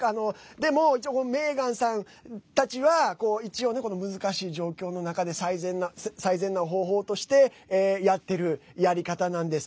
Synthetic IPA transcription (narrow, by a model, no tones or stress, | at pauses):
ano̞d̪e̞mo̞it͡ɕiokonome̞ːɡãɰ̃sãn | t̪at͡ɕiβako̞ːit͡ɕio̞ːne̞kono̞mɯ̟zɨkaɕiːʑo̞ːkʲo̞ːno̞nakad̪e̞saizẽ̞nːasaizẽ̞nːaɦo̞ːɦo̞ːt̪o̞ɕi̥t̪e̞ːjat̪ːe̞ɾɯ̟jaɾʲikat̪anãnd̪e̞sɨ̥